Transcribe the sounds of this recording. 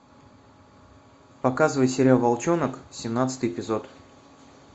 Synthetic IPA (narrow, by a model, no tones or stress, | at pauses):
pɐkazɨvəjsʲɪɾʲalˠvɐlˠt͡ɕonəksʲɪmnat̪sɨ̥t̪ɨjɪpʲɪzot̪